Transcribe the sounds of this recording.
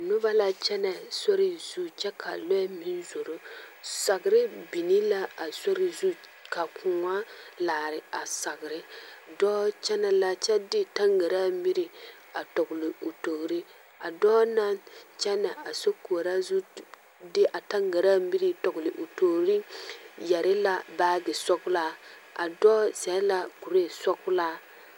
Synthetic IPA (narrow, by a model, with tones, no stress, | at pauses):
nʊ˦ba˦la˦t͡ʃɛ˦na˨so˦ɾɪ˦zu˦t͡ʃɛ˦kʰa̰˨lo˦mi˦n˦zo˨ɾo˦sa˨ɡɾɪ˦bi˨ni˦la˦a˨so˦ɾi˨zu˦ | ka˨kũ˨ŋa˦laː˨ɾɪ˨a˨sa˨ɡɪ˨ɾɪ˦dɔː˦t͡ʃɛ˦na˨la˦t͡ʃɛ˦dɪ˦ta˦ŋɡa˨ɾa˦mi˦ɾi˨ | a˨tɔ˨ɡʊ˨lɪ˨o˨to˨hɾi˦ | a˨dɔː˦na˦nt͡ʃɛ˦na˨a˨so˦ko˨ɾa˦zu˦ | dɪ˦ʔa˨ta˦ŋɡa˨ɾa˦mi˦ɾi˦tɔ˨ɡʊ˨lɪ˨ʔo˨to˨˦ɾi˦jɛ˨ɾɪ˦la˨baː˦ɡɪ˨sɔ˦kʊ˦la˦ | a̰˨dɔː˦sɛ˨˦la˦ku˨ɾe˦˨sɔ˦kʊ˦laː˦